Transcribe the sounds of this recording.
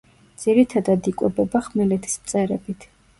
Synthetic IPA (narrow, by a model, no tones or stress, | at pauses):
d̪z̥iɾit̪ʰad̪ad̪ikʼwɛbɛbaχmɛlɛt̪ʰi̥smt̪sʼɛɾɛbit̪ʰ